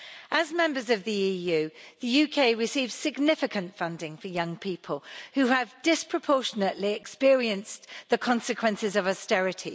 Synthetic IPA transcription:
ʔəzmɛ̃mbəzəvðiiːjʉːðəjʉːkʰeɪɹɪsiːvz̥sɪɡnɪfɪkʰə̃ntfʌ̃ndɪ̃ŋfəjʌ̃ŋpʰiˑpʰəlˠhʉəvdɪspʰɹ̥əpʰɔˑʃənəʔliɛkspɪəɹiə̃nsðəkʰɒ̃nsɪkʰwɛ̃nsɪzəvɔstɛɹɪtʰḭ

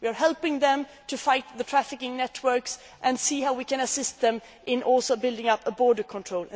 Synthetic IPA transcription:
wiə˞ɦɛlˠpɪ̃ŋðɛ̃m | tʰɨfaɪt̪̚ðətʰɹ̥æfɪkɪ̃ŋnɛtʰwɜ˞ks | ʔɨ̃nsiːhaʊwikɨ̃nəsɪst̪̚ðɛ̃m | ʔɪ̃nʔɔlˠsoʊbɪlˠdɪ̃ŋʌpəbɔɹdə˞kʰɔ̃ntʰɹ̥oʊl̃

